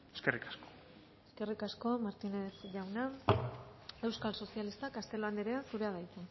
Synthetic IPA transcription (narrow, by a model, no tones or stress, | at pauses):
eskerikḁsko̥ | e̞ske̞rikasko̞maɾt̪ine̞sʝawna | e̞wskalso̞sialist̪akast̪e̞loand̪eɾeansuɾe̞að̞ajt̪e